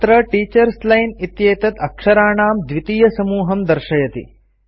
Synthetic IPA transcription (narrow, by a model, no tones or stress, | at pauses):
t̪ɾɐʈiːt͡ʃɐɾslɐjnit̪jeːt̪ɐt̪ɐkʂɐɾaːɳaːmd̪ʋit̪iːjɐsɐmuːɦɐmd̪ɐɾʃɐjɐt̪ḭ